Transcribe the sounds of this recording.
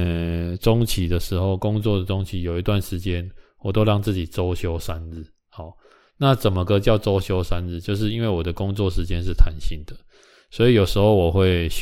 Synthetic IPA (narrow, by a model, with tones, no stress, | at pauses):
ʈ͡ʂo˦˥ŋt͡ɕʰi˨˩d̪ə˨ʂɻ̩˧˥xo˥˩ʊkʊ˦ŋt͡swɔ˥˩d̪ə˩t͡sʊ˦ŋt͡ɕʰi˧˩jo˨˩ʊi˧˦t̪wa˥˨nʂɻ̩˧˥t͡ɕjɛ˦nwɔ˨˩t̪o˥ʊɻɑ˥˧ŋt͡s̩˥˩t͡ɕi˨˩t͡so˦˥ʊɕjo˥ʊsa˦n̩˥˩ | ha˨˩ | na˥˨t͡sə˨˩nmə˨kɤ˦t͡ɕjɑ˥˩ʊʈ͡ʂo˥ʊɕjo˥ʊsa˦nɻ̩˥˧t͡ɕjo˥˧ʊʂ̬ɻ̩˥˩i˦nwe˥˩wɔ˨˩d̪ə˦kʊ˦˥ŋt͡swɔ˥˨ʂɻ̩˧˥t͡ɕjɛ˥˦nʂ̬ɻ̩˥˩t̪ʰa˧˦nɕi˥˩ŋd̪ə˨ | swɔ˧˥i˨jo˨˩ʊʂɻ̩˧˥xo˥˩ʊwɔ˨˩xwe˥˨ɪ